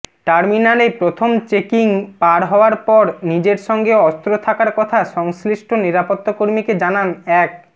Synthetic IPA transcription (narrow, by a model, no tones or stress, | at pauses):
ʈaɾminalepɾot̪ʰomt͡ɕekiŋpaɾɦɔoaɾpɔɾnid͡ʑeɾʃɔŋɡeɔst̪ɾot̪ʰakaɾkɔt̪ʰaʃɔŋsliʃʈʰoniɾapot̪ːakoɾmiked͡ʑananɛk̚